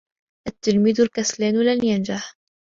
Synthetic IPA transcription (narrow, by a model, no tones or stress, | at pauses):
ʔat̪ːɪlmiːðalkaslaːnlanjand͡ʒaħ